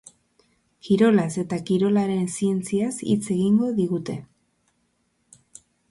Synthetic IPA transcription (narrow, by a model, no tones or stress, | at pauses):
kiɾo̞lase̞t̪akiɾo̞laɾe̞nsie̞nt͡siasḭt͡se̞ɣiŋɡo̞ðiɣut̪e̞̰